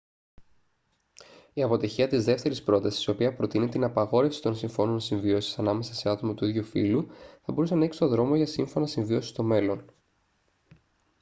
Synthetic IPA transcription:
iɐpo̞t̪içiɐt̪izðe̞ft̪e̞ɾispɾo̞t̪ɐsi̥siopiɐpɾo̞t̪inet̪inɐpɐɣo̞ɾe̞fsi̥t̪o̞nsiɱfo̞nonsiɱvio̞si̥sɐnɐme̞sɐse̞ɐt̪o̞mɐt̪uiðʝufḭluθɐbo̞ɾuse̞nɐeksi̥t̪o̞ðɾo̞moʝɐsiɱfo̞nɐsiɱvio̞si̥st̪o̞me̞lo̞n

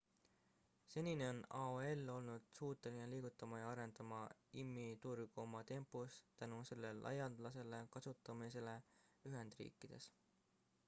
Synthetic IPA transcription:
se̞nʲineo̞nɑoe̞lːo̞lnud̪̥suːt̪ːˑelineliːɡ̥ut̪ːˑɑmɑjɑɑɾe̞nd̪̥ɑmɑimːit̪uɾikomɑt̪e̞mpːˑust̪ænuse̞lːe̞lʔɑ̰jɑnd̪̥lɑs̬e̞le̞kɑsut̪ːˑɑmise̞le̞yɦe̞nd̪̥rḭːkːˑid̪̥e̞̰s

